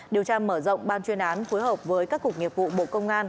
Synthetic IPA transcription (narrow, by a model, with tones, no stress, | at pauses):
ɗi˨˩wt͡ɕaː˧məː˧˩zə̰˧˨wŋ͡mɓaː˧nt͡ɕwi˧ənʔaː˨˦nfo˨˦jɦəː˨˩p̚vəː˨˦jkaː˦˥kːʊ˨˩k̚ŋi˨˩əp̚vṵ˧˨ɓo̰˧˨kə˧wŋ͡mʔaː˧n